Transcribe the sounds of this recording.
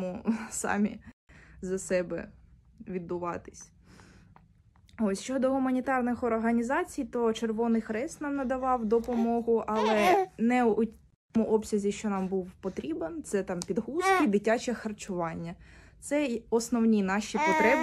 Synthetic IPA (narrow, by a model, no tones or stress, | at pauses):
mʊsɑ̰mʲizɐsɛbɛ̰ | ʋʲid̪̚bʊʋɑt̪ɪ̥sʲ | ɔsʲʃt͡ʃɔd̪ɔɦʊmɐnʲit̪ɑrnɪxɔrɦɐnʲizɑt͡sʲijt̪ɔt͡ʃerʋɔnɪjxɾɛst̪nɑmnɐd̪ɐʋɑwd̪ɔpɔmɔɦʊʔɐlˠɛnɛʊ | mʊʔɔpsʲɐzʲiʃt͡ʃɔnɑmbuwpɔt̪ɾʲibent̪sɛt̪ɑmpʲid̪ɦuskʲid̪ɪtʲat͡ʃɛxɐrt͡ʃʊʋɑnʲːɐt̪sɛɔsnɔwnʲinɑʃʲipɔt̪ɾɛb